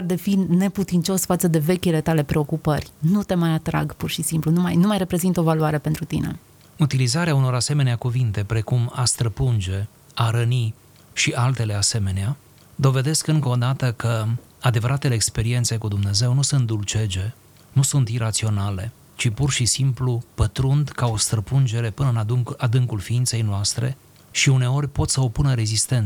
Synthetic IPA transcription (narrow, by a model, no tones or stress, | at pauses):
rd̪efine̞put̪int͡ʃo̞sfat̪səd̪e̞ve̞kʲile̞t̪ale̞pɾe̞o̞kupərʲnut̪e̞majat̪ɾa̰ɡpurʃisimplunumajnumajre̞pɾe̞zint̪o̞valuaɾe̞pe̞nt̪ɾut̪ḭne̞̰ | ut̪ilizaɾeauno̞ɾase̞me̞neakuvint̪e̞pɾe̞kumast̪ɾəpund͡ʒe̞ | aɾəni | ʃiʔalt̪e̞le̞ase̞me̞nea | d̪o̞ve̞d̪e̞skɨŋkəod̪at̪əkə | ad̪e̞vəɾʔat̪ele̞ːkspe̞ɾie̞nt̪se̞kud̪umne̞ze̞wnusunt̪̚d̪ult͡ʃe̞d͡ʒe̞ | nusunt̪iɾat̪sio̞nale̞ | t͡ʃipurʃisimplupət̪ɾund̪kao̞st̪ɾəpund͡ʒe̞ɾe̞pɨnəɨnad̪ɨŋkulfiint̪se̞jnoast̪ɾe̞̰ | ʃiune̞o̞rʲpo̞t̪səopunəɾe̞zist̪e̞nt̪s